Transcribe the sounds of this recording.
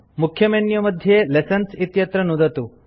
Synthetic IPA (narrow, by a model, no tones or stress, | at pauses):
mukʰjəmenjɐməd̪ʱːjelesənsit̪jɐt̪ɾənud̪ʱɐt̪uː